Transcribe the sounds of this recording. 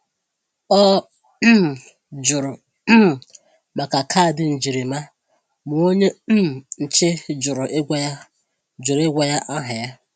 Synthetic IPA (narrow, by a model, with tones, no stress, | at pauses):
ɔ˦˨ | d͡ʒʊ˨ɾʊ˨˦˨ | ma˨ka˨kʰa˦˨dɪ˨n̩˨d͡ʒi˨ɾi˨ma˦ | mʊ˨o˦ɲe˦˨n̩˨t͡ʃɪ˦d͡ʒʊ˨ɾʊ˨ʔe˦ɡʷa˦j | d͡ʒʊ˨ɾe˦ɡʷa˨ja˦ʔa˦ɦʊ˨ja˦